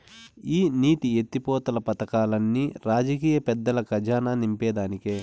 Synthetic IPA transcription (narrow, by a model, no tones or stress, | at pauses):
iːniːʈ̪iet̪ːipɔːt̪ɐlɐpɐt̪ɐkaːlɐnːiɾaːd͡ʒɐkiːjɐpɛd̪ːɐlɐkɐd͡ʒaːnaːnimpɛːd̪aːnikeː